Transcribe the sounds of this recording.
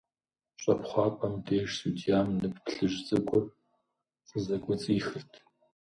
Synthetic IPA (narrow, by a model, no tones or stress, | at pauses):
ɕʷʼɐpχʷɑːpʷʼɐmdeːʃsudijaːmnɨppɬɨʒt͡sʼɨkʷʼʊr | t͡sʼəzɐkʷʼɔt͡sʼiːxɨrtʰ